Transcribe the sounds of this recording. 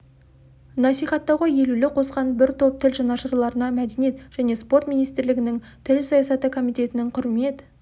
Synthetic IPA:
nɑsijχɑt̪ːɑʁəje̞lulɪqʰo̞sqɑnbɪɾt̪ʰo̞p̚t̪ʰɪlʒɑnɑʃəɾlˠɑɾənɑmæd̪enije̞t̪ʒ̥æne̞spo̞ɾt̪mʲijnijst̪ɪɾlɪɡʲɪnɪŋ | t̪ʰɪlsɑjɑsɑt̪əkʰo̞mijt̪e̞t̪ɪnɪŋqʰʊɾme̞t̪

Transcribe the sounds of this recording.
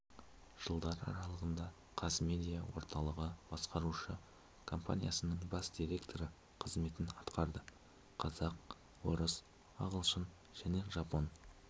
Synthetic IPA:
ʒ̥əlˠd̪ɑɾɑ̰ɾɑlˠəʁənd̪ɑ | qʰɑsme̞d̪ijawo̞̰ɾt̪ʰɑlˠəʁəb̥ɑsqɑɾuʃə | kʰo̞mpa̰nʲijasənəɴbɑsd̪̥iɾʲe̞kt̪ʰo̞ɾə | qʰəzme̞t̪ɪnɑt̪qɑɾd̪ə | qʰɑzɑq̚ | woɾəs | ɑʁəlˠʃən | ʒ̥æne̞ʒɑpo̞n

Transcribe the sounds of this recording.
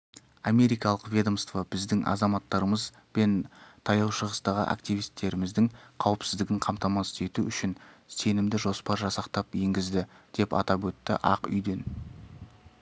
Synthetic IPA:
ɑmʲe̞ɾijkɑlˠəqvʲed̪omst̪vɑbɪzd̪ɪŋʔɑ̰zɑmɑt̪ːɑɾəməz | be̞nt̪ʰɑjɑwʃəʁəst̪ɑʁə̰ʔa̰kt̪ijvijst̪ːe̞ɾɪmɪzd̪ɪŋqʰɑwɪpsɪzd̪ɪɡʲɪɴqʰɑmt̪ɑmɑst̪e̞t̪uʏʃɪnse̞nɪmd̪ɪʒo̞spɑɾʒɑsɑqt̪ɑpje̞ŋɡʲɪzd̪ɪd̪̥e̞pɑ̰t̪ɑpwɵt̪ːɪ̰ʔɑ̰qʏ̰jd̪e̞n

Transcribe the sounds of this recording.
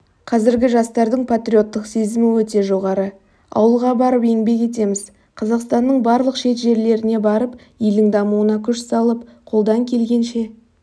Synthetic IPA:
qʰɑzɪɾɡʲɪʒɑst̪ɑɾd̪əɴpʰat̪ɾʲio̞t̪ːəqse̞zɪmɪwɵt̪e̞ʒo̞ʁɑɾə | ɑ̰wəlˠʁɑbɑɾəpe̞ŋbe̞k̬ʲe̞t̪̬e̞mɪz | qʰɑzɑqst̪ɑnːəɴbɑɾlˠəqʃe̞t̪ʒe̞ɾle̞ɾɪne̞bɑɾəp | jild̪ɪŋd̪ɑmuənɑkʲʰʏʃsɑlˠəp̚qʰo̞lˠd̪ɑŋkʲʰe̞lɡʲe̞nʃe̞

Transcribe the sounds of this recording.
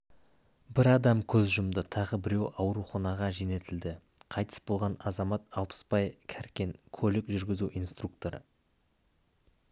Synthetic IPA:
bɪɾɑd̪ɑmkʲʰɵzʒʊmd̪ət̪ʰɑʁəbɪɾe̞wɑwɾuχɑnɑʁɑʒene̞t̪ɪld̪ɪ | qʰɑjt̪ə̥sbo̞lˠʁɑnɑzɑmɑt̪ɑlˠpə̥spɑjkʲʰæɾkʲe̞ŋkʰolɪkʒʏɾɡʲɪzuʔijnst̪ruk̚t̪o̞ɾə̰

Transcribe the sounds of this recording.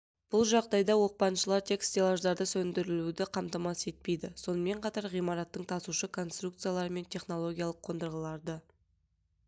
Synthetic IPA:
b̥ʊlˠʒɑʁd̪ɑjd̪ɑwo̞q̚pɑnʃəlˠɑɾt̪ʲʰe̞kst̪ʲelˠaʒd̪ɑɾd̪əsɵnd̪ɪɾɪlud̪ɪqʰɑmt̪ɑmɑse̞t̪̚pe̞jd̪ɪso̞nəme̞ɴqʰɑt̪ɑɾʁijmɑɾɑt̪ːəɴt̪ʰɑsuʃəkʰo̞nst̪ruk̚t̪sɨjalˠɑɾəme̞nt̪ʲʰe̞χno̞lˠo̞ɡʲijalˠəqʰːo̞nd̪əɾʁəlˠɑɾd̪ə

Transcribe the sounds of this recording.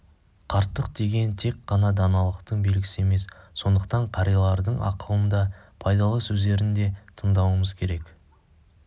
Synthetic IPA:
qʰɑɾt̪ːəq̚d̪e̞ɡʲe̞nt̪ʰe̞k̚qːɑnɑd̪ɑnɑlˠəqt̪əɴbe̞lɡʲɪsɪe̞me̞sːo̞nd̪əqt̪ɑɴqʰɑɾijlˠɑɾd̪əɴɑ̰qəlˠənd̪ɑpʰɑjd̪ɑlˠəsɵzd̪e̞ɾɪnd̪e̞t̪ʰəɴd̪ɑwəməzkʲʰe̞ɾe̞k

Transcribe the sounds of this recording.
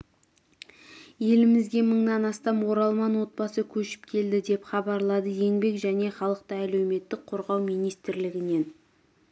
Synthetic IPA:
je̞lɪmɪzɡʲe̞məɴnɑnɑst̪ɑmwo̞ɾɑlˠmɑnwo̞t̪̚bɑsəkʲʰɵʃɪ̥p̚kʲʰe̞ld̪ɪd̪e̞pχɑbɑɾlˠɑd̪əje̞ŋbe̞kʒæne̞χɑlˠəqt̪əælewme̞t̪ːɪk̚qʰoɾʁɑwmijnijst̪ɪɾlɪɡʲɪne̞n

